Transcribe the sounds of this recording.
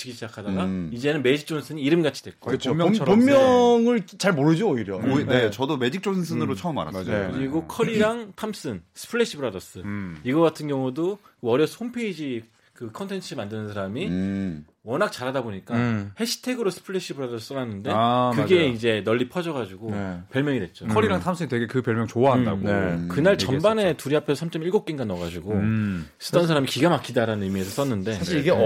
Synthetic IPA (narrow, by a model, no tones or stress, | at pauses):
t͡ɕʰiɡiɕʰid͡ʑakʰadaɡaid͡ʑe̞nɯnme̞d͡ʑik̚t͡ɕ͈ons͈ʰɯɲiːɾɯmɡat͡ɕʰi̥d̥we̞ɭk͈oɯt͡ɕʰomt͡ɕʰʌommjʌŋɯɭt͡ɕaɭmoɾɯd͡ʑoːiɾjʌoinet͡ɕʌdome̞d͡ʑik̚t͡ɕ͈onsʰɯs̬͈ʰɯnɯɾot͡ɕʰʌʌma̰ɾa̰kɯɾiɡokʰʌɾiɾaŋtʰams͈ɯnsʰɯ̥pʰɯɭːeɕ͈ʰibɯɾadʌs͈ɯiɡʌk͈atʰɯnɡjʌŋudokɯʌɾjʌsʰhonpʰe̞id͡ʑi | kɯkʰʌntʰe̞nt͡ɕʰɯmandɯnɯnsʰaɾami | wʌnak̚t͡ɕaɾɦadaboɲik͈ahe̞ɕʰi̥tʰe̞ɡɯɾosʰɯ̥pʰɯɭeɕ͈ʰibɯɾadʌss͈ʌnanːɯnde̞kɯɡe̞ind͡ʑe̞nʌɭːipʰʌd͡ʑʌɣad͡ʑuɡopjʌɭmjʌŋidwe̞t̚t͡ɕ͈okʰʌɾiɾaŋtʰamsʰɯŋitweɡe̞kɯpjʌɭmjʌŋt͡ɕoaɦanda̰ɡokɯnaɭt͡ɕʌmbane̞tuɾiɦapʰesʰʌsʰamt͡ɕ͈ʌmiɭɡok͈̚iŋɡanːʌɣad͡ʑuɡosʰɯ̥t͈ʌnsʰaɾamikiɡamak͈ʰidaɾanɯnɯmie̞sʰʌs͈ʌnːɯnde̞aɕʰiiɡe